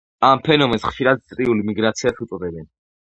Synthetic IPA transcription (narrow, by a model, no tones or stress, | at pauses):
ampʰɛnɔmɛnsχʃiɾad̪̚t̪sʼɾiulimiɡɾat̪sʰiasut̪sʼɔd̪ɛbɛn